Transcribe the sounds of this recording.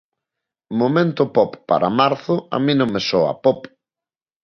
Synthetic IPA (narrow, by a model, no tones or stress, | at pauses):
momẽnt̪ʊpɔpːa̰ɾamaɾθʊa̰mĩnõŋmesɔa̰pɔp